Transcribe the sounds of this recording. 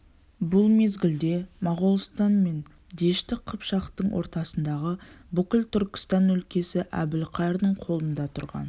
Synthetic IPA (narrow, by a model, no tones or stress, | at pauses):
bʊlˠme̞zɡʲɪld̪e̞mɑʁolˠst̪ɑnme̞n | d̪e̞ʃt̪ɪqʰəpʃɑqt̪əɴwʔo̞ɾt̪ɑsənd̪ɑʁəbʏkʲɪlt̪ʰʏɾkʲɪ̥st̪ɑnɵlkʲe̞sɪʔæ̰bɪlqʰɑjɾd̪əɴqʰo̞lˠənd̪ɑt̪ʰʊɾʁɑ̰n